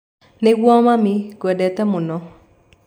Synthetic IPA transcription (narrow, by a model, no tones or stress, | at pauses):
nɛɡwɔmamɪɡɛdɛt̪ɛmʊnɔ